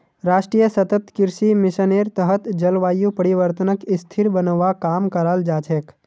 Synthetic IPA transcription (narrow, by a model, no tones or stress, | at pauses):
ɾaːʃʈɾijəsɐt̪ət̪kɪɾʃimɪʃəneːɾt̪əɦət̪d͡ʒɐlʋaːjupəɾɪʋəɾt̪ənəkɪst̪ʰɪɾbənəʋakaːmkɐɾaːld͡ʒaːt͡ʃeːk